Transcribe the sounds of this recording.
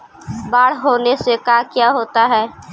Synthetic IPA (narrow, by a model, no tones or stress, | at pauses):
baːɽ̤ɦoːnesekaːkjaːɦoːt̪aɦɛː